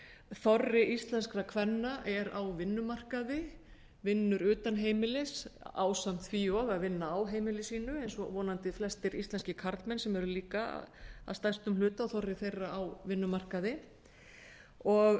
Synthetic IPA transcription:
θɔrːɪʔist̪lɛnskɾakʰvɛnːaʔɛɾawvɪnːʏmar̥kaðɪ | vɪnːʏɾʏːt̪anɦeːjmɪlɪsa̰ːwsam̥t̪ʰfiɔɣaðvɪnːaːwɦeːjmɪlɪsiːnʏejnsɔ̰vɔːnant̪ɪflɛst̪ɪɾḭst̪lɛnscɪkʰaɾt̪mɛnsɛmɛɾʏliːka̰a̰st̪ajst̪ʏmlʏːt̪aɔθɔrːɪθejrːaawvɪnːʏmar̥kaðɪ | ɔɣ

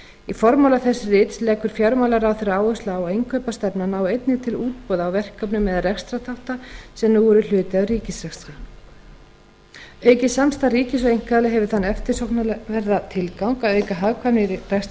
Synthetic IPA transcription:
ifɔɾmawlaθɛsːɪrɪːt̪slɛːkʏɾ̥fjawɾmawlaɾawθɛɾːaːwœst̪laːwaejŋkʰœːpast̪ɛpnanaːwejt̪nɪt̪ʰɪluːt̪̚pɔːðaːwvɛr̥kʰːœpnʏmɛðrɛxst̪ɾat̪ʰawht̪asɛmnuːvɔɾʏl̥ʏːt̪ɪaðriːcɪsɾɛxsɾa | œːɥcɪsamst̪ariːcɪsvejŋ̥kaðlɛɦɛvʏɾθanːɛft̪ɪ̥sowknvɛɾðat̪ʰɪlkawŋkawœːɥkaɦaɣkʰvanɪɾrɛxst̪

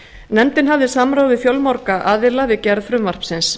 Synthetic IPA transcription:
nɛnt̪ɪnɦavðɪsamɾaːwðɪθjɔwlmawɾkaʔaːðɪlavɪcɛɾð̥fɾʏmvar̥psɪns

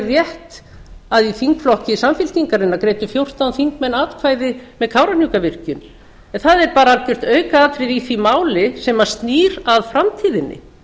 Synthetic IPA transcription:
rjɛht̪ | aðiθiŋkflɔhcɪsamfɪl̥t̪iŋkaɾɪnːakɾeːjt̪ʏfjowr̥t̪awnθiŋk̚mɛnːaːt̪kʰvaːjðɪmɛðkʰaːwɾanjukavɪr̥cʏn | ɛnθaðɛɾpaːɾaalcʏr̥t̪œːɥkaaːt̪ɾɪðiθimaːwlɪsɛmḁst̪niːɾaðfɾamt̪ʰiːðɪnːɪ̰

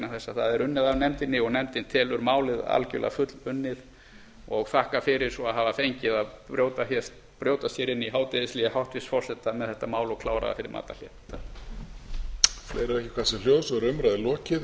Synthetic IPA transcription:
naθɛsːaθaðɛɾʏnːɪðavnɛmt̪ɪnːɪɔɣnɛmt̪ɪnt̪ʰɛːlʏɾmaːwlɪða̰lcʏ̰la̰fʏt̪lʏnːɪð | ɔɣθahkafɪɾɪɾ̥sɔaðɦaːvafejɲcɪðaðɾjowt̪afjɛst̪ | pɾjoːwt̪ast̪jɛɾɪnːiɦaːwt̪ɪðɪsliːahawht̪vɪsfɔ̥sɛt̪amɛðθɛht̪amaːwlɔkʰlaːwɾa̰ða̰fɪɾɪɾma̰ːt̪a̰l̥jɛ̰̥ | t̪a | flḛːjɾavɛhcɪ̥kʰvasɛl̥joːwsɔɾʏmɾajðɪlɔːcɪ

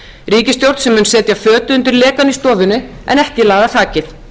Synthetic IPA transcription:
riːcɪst̪jowɾt̪sɛmʏːnsɛːt̪jafœːt̪ʏʏnt̪ɪɾlɛːkanist̪ɔːvɪnʏ | ɛ̰nɛhc̪ɪlaːɣðaθaːcɪθ

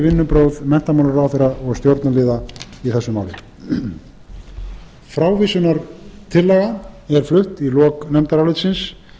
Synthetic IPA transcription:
vɪnːʏpɾowðmɛn̥t̪amaːnʏɾawθeɾaɔɣst̪jowɾt̪nalɪːðaiθɛsːʏmaːwlɪ | fɾaːwvisʏnaɾt̪ʰɪlːɛːɣaɛɾ̥flʏht̪ilɔːknɛmt̪aɾawlɪt̪sɪns

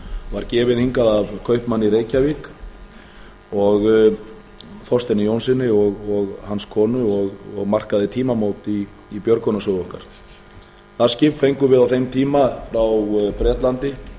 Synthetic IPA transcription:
vaɾcɛːvɪðhiŋkaðavkʰœɥhpmanːiɾeːjcavik | ɔɣ | θɔst̪ɛnːɪjownsɪnːɪɔɣɔɣhanskʰɔːnʏɔɣɔɣmar̥kaðɪt̪ʰiːmamoːwt̪iː | pjœɾkʰɔnasœðɔhkaɾ̥ | θḁscɪffejŋkʏvɪðawθejmt̪ʰiːmafɾawpɾɛːt̪lant̪ɪ

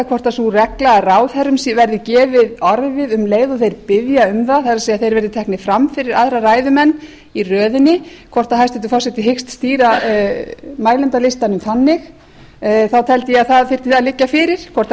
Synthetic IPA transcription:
kʰvɔr̥t̪asurɛklaːraːwθɛɾʏmsvɛɾðɪcɛːvɪðɔɾvɪðʏmleːjðɔθejɾpɪðjaʏmθaθaɾasejaθejɾvɛɾðɪt̪ʰɛhknɪfɾamfɪɾɪɾaðɾaraːjðʏmɛnː | irœːðɪnːɪkʰvɔr̥t̪ahajst̪ɛt̪ʏfaws̬ɛt̪ɪɦejkst̪st̪iːɾa | maːjlɛnt̪alɪst̪anʏmθanːɪx | θawt̪ʰɛlt̪ɪjɛaðθaðfɪr̥t̪ɪalɪcːafɪɾɪɾ̥kʰvɔr̥t̪

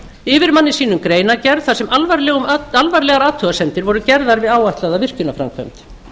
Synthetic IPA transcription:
ɪvɪɾmanːɪsiːnʏmkɾeːjnacɛɾð̥θasɛmalvaɾlɛːɣʏmalvaɾlɛɣaɾaːt̪ʰœɣasɛnt̪ɪɾvɔɾʏcɛɾðaɾvɪðaːwajht̪laðavɪr̥cʏnafɾa̰mkʰvœ̰mt̪

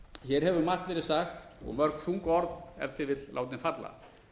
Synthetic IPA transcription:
çɛːɾ̥ɦɛvʏmar̥t̪vɛːɾɪsaxt̪ɔ̰ɣmœɾ̥kθuŋkɔɾðɛ̰ɾ̥t̪ʰɪvɪt̪lla̰ːwt̪nɪnfat̪la̰

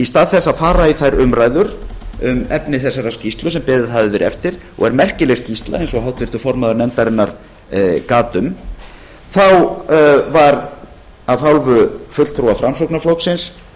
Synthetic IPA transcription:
ist̪aːðθɛsːaðfaːɾaiθajɾʏmɾajðʏɾʏmɛpnɪθɛsːaɾascist̪lʏsɛmpɪðɪðɦavðɪvɛɾɛ̰ft̪ɪɾ̥ | ɔ̰ɣɛɾmɛr̥cɪlɛɣscist̪la̰ejnsɔɣɦawt̪vɪr̥t̪ʏfɔɾmaðʏɾnɛmt̪aɾɪnːaɾ̥ | kaːt̪ʏm | θaw | vaɾ | aðhawlvʏfʏt̪lt̪ʰɾuafɾamsowknaflowksɪns

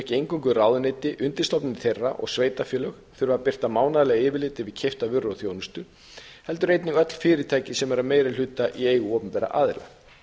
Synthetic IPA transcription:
hcɪejŋkɔŋkʏraːwðʏneːt̪ɪʔʏnt̪ɪ̥st̪ɔwpnɪnθejrːa̰ʔɔ̰ɣsveːjt̪afjœːlœɣ | θʏɾɪvapɪr̥t̪amaːwnaðlɛɣaɪːvɪlɪːt̪ɪvɪðcʰeft̪avʏrːowθjownʏst̪ʏ | hɛl̪t̪ʏɾejt̪nɪŋœt̪l̥fɪːɾɪt̪ʰaːjcɪsɛmɛɾameːjɾɪl̥ʏːt̪aʔieːjɣʏɔːpʏnpɛːɾa̰ʔa̰ːðɪɾla̰ɣ

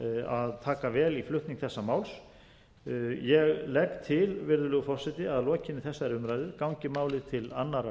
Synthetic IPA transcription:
aðt̪ʰaːkavɛːliflʏht̪niŋkθɛsːamaːwls | jɛɣlɛkt̪ʰɪlvɪɾðʏlʏɣfɔr̥sɛt̪ɪaðlɔːcɪnːɪθɛsːaɛɾʏmɾajðʏɾkawɲcɪmaːwlɪt̪ʰɪlanːaɾa

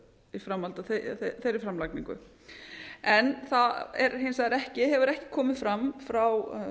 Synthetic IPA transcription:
ifɾamhalt̪aθeθejɾɪfɾamlakniŋkʏ̰ | ɛnθaɛɾɦensaɪɾɛhcɪɦɛvʏɾɛhcɪ̥kʰɔːmɪðfɾamfɾaw

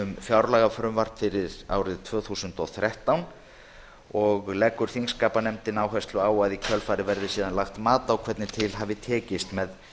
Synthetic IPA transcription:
ʏmfjawɾlaɣafɾʏmvaɾ̥t̪fɪɾɪɾ̥a̰ːwɾɪðt̪ʰv̥œːθusʏnt̪ɔθɾaht̪awn | ɔɣlɛkːʏɾ̥θiŋskaːpanɛmt̪ɪnawɦɛst̪lʏaːwaðicʰœlfaːɾɪvɛɾðɪsiːðanlaxt̪maːt̪awkʰvɛt̪nɪt̪ʰɪlɦavɪt̪ʰɛːcɪst̪mɛð

